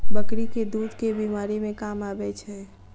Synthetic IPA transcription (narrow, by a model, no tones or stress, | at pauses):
bəkɾiked̪uːd̪kebiːmaːɾimẽkaːmaːbɛt͡ʃʰɛ